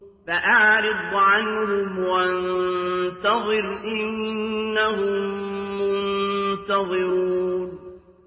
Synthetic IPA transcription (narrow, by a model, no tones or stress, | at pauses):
faʔaʕɾɪd̪ˤʕanhʊmwant̪ɑðˤɨɾʔɪnːahʊmːʊnnt̪ɑðˤɨɾuuːn